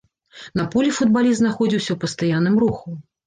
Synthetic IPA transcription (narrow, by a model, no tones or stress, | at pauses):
nɐpulʲifud̪balʲizt̪naxɔd͡zʲiwsʲɐwpɐst̪ajanːɨmɾuxu